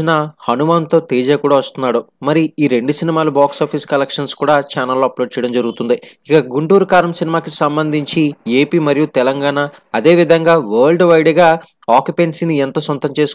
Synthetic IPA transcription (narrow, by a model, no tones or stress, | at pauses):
inɐhɐnumaːnt̪o̞ːt̪eːd͡ʒaːkuːɽaːʋɐst̪unːaːɽumɐɾiiːɾe̞ɳɖusinimaːlubaːksaːpʰiːskɐlɐkʂɐnskuːɽaːt͡ʃaːnɐlːoːɐplo̞ːɖ̚t͡ʃɛjɐɽɐmd͡ʒɐɾuɡut̪und̪iikɐɡuɳʈuːɾukaːɾɐmsinimaːkisɐmbɐnd̪ʱiɲt͡ʃie̞ːpiːmɐɾijut̪ɛlɐŋɡaːɳa | ɐd̪e̞ːʋid̪ʱɐŋɡaːʋɐːɾɭɖʋɐjɽiɡaː | aːkjupeɳʈsiniɛnt̪ɐsɐnt̪ɐmt͡ʃe̞ːs